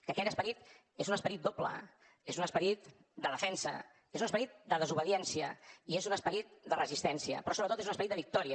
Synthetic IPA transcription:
kəkɛt̪əspəɾit̪ | ezunəspəɾit̪̚d̪oplə̰ | ezunəspəɾit̪ | d̪əðəfɛnsə̰ | ezunəspəɾit̪̚d̪əðəzuβəðiɛnsiə̰iezunəspəɾit̪̚d̪ərəzist̪ɛnsiə̰pɾɔsoβɾət̪ot̪ezunəspɾit̪d̪əβik̚t̪ɔɾiə

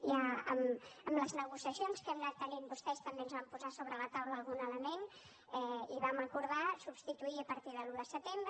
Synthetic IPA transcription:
jaə̰məmləznəɣusjəsjonskɛmnat̪ːəʎembust̪ɛst̪əmbenzβampuzasoβɾələt̪awləːlˠɣunələmen | ɛiβaməkuɾðasubst̪it̪uiəpəɾt̪iðəluðəsət̪embɾə

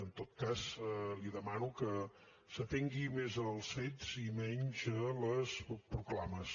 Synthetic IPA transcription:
ənt̪ot̪̚kasliðəmanukə | sət̪eŋɡimezəlˠsfet̪z̥imɛɲzələspɾuklaməs

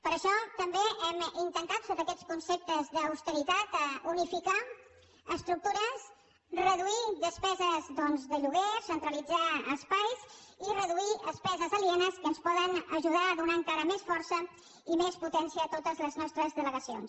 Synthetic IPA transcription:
pəɾəʃɔt̪əmbeʔɛmint̪ənt̪at̪soβɾəkɛt͡skunsep̚t̪əzðəːwst̪əɾit̪at̪unifika | əst̪ɾuk̚t̪uɾəs | rəðuiðəspɛzəzðɔnzðəʎuɣesənt̪ɾəlid͡zaəspajzirəðuiʔəspɛzəzəlienəskənspɔðənəʒuðaəðunaəŋkaɾəmesfɔɾsə | imesput̪ɛnsiəːt̪ot̪əzləznɔst̪ɾəzðələɣəsio̰ns

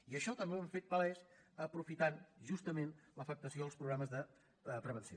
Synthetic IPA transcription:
iəʃɔt̪əmbeəɱfet̪̚pəlɛs | əpɾufit̪anʒust̪əmenləfək̚t̪əsioəlˠspɾuɣɾaməzðə | pɾəβənsio

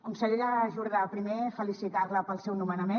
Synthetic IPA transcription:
umsəʎeʎaʒuɾɣapɾimefəlisit̪aɾləpəlˠsɛwnumənəme

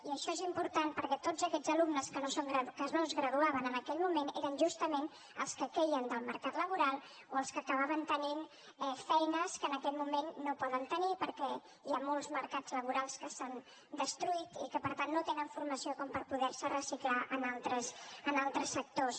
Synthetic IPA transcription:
iəʃɔezimpuɾt̪anpəɾkɛt̪od͡zəkɛd͡zəlumnəskənosoŋɡɾəkənozɣɾəðuaβənənəkɛʎmumeneɾənʒust̪əmen | ə̰lˠskəkejənd̪əlˠməɾkat̪ləβ̞uɾalˠ | oəlˠskəːkəβ̞aβənt̪ənin | ɛfɛjnəskəːnəkɛʎmumenːopɔðənt̪ənipəɾkɛ | ʒamolˠzməɾkad͡zləβuɾalˠskəsan | d̪əst̪ɾuit̪ikəpəɾt̪anːot̪enəɱfurməsiokɔmpəɾpuðɛɾsərəsiklaʔənalˠt̪ɾəsənalˠt̪ɾəsːək̚t̪os

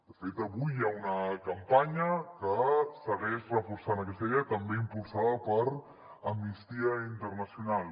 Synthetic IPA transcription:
d̪əfet̪əβujːaunəkəmpaɲəkəsəɣɛʃrəfuɾsanəkɛst̪əðet̪əmbeimpulˠsaðəpəɾ | əmnist̪iəint̪ərnəsiunalˠ

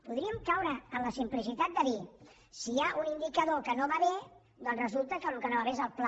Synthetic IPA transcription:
puðɾiəmkawɾəːmləsimplisit̪at̪̚d̪əði | siaʔunind̪ikəðokənoβaβe | d̪ɔnzrəzulˠt̪əkəlukənoβaβeezəlˠpla

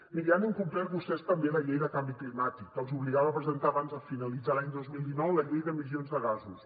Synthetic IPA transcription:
miɾianuŋkumplɛɾpust̪ɛst̪əmbeləʎejðəkambiklimat̪ikkəlˠzuβliɣaβəːpɾəzənt̪aːβanzəfinəlid͡zalaɲd̪ozmilˠd̪inɔwləʎejðəmizionzðəɣazus

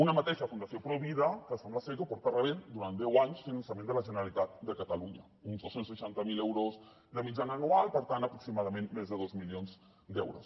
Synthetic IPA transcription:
unamat̪eʃafund̪asjopɾoiβiðakəsamlasekopɔɾt̪areβend̪uɾand̪ɛwaɲsfinansjamẽnd̪əlaʒəneɾalit̪at̪̚d̪əkat̪aluɲa̰ | unzd̪osenseʃant̪amilewɾoz | d̪əmid͡ʒanaːnualpəɾt̪ant̪apɾoksimaðamẽnmezðəðozmiljonz | d̪ɛ̰wɾo̰s

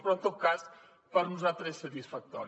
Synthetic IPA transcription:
pɾɔt̪okas | pəɾnuzalˠt̪ɾesːət̪isfək̚t̪ɔ̰ɾ

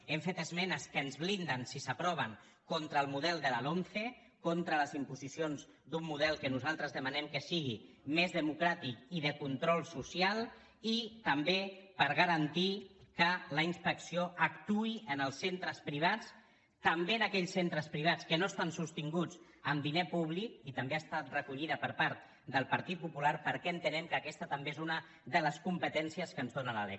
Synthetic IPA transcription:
ɛmfet̪əzmɛnəskəːnzβlind̪ənsisəpɾɔβ̞əŋ | kont̪ɾəlˠmuðɛlˠd̪əlalonθe | kont̪ɾələzimpuzisionz | d̪umːuð̞ɛlˠkənuzalˠt̪ɾəzðəmənɛmkəsiɣ̞i | mezðəmukɾat̪ikiðəkunt̪ɾɔlˠsusialˠ | it̪əmbepəɾɣəɾənt̪ikələinspəksioəkt̪uiənəlˠsent̪ɾəspɾiβ̞at͡s | t̪əmbeənəkɛʎsent̪ɾəspɾiβ̞at͡skənost̪ansust̪iŋɡud͡z | əmd̪inepuβ̞likit̪əmbeast̪at̪rəkuʎiðəpəɾpaɾt̪̚ | d̪əlˠpəɾt̪it̪̚pupulaɾpəɾkɛənt̪ənɛmkəːkɛst̪ət̪əmbeezunə | ðələskumpət̪ɛnsiəskənzðonənəlɛ̰

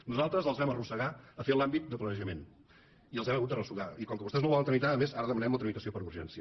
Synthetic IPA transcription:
nuzalˠt̪ɾəzəlˠzβɛmərusəɣaəfelambit̪̚d̪əplənəʒəmen | iəlˠzɛməɣut̪d̪ərəsuɣaikɔŋkəβust̪ɛznowβɔlənt̪ɾəmit̪aəmezaɾəðəmənɛmlˠt̪ɾəmit̪əsiopəɾuɾʒɛnsiə

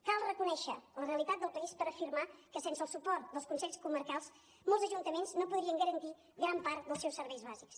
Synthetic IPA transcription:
kalˠrəkunɛʃələreəlit̪at̪̚d̪əlˠpəispəɾəfiɾmakəsensəlˠsupɔrt̪̚d̪əlˠskunsɛʎʲskuməɾkalˠs | molˠzəʒunt̪əmenznopuðɾiəŋɡəɾənt̪i | ɡɾampaɾt̪̚d̪əlˠsɛwsːəɾβɛjzβaziks

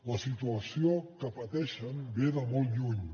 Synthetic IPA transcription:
ləsit̪uəsiokəpət̪ɛʃənbeðəmɔlˠt̪ʎuɲ

